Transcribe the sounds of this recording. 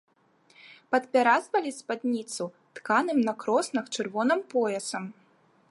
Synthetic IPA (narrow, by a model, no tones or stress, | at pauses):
pɐt̪pʲaɾazvɐlʲispad̪nʲit̪su | t̪kanɨmnɐkɾɔsnɐxt͡ʂɨrvɔnɨmpɔjɛsɐm